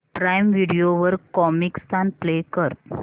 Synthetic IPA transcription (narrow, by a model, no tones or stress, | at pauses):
pɾajmʋiɽijoʋəɾkɔmikst̪anplekəɾt̪̚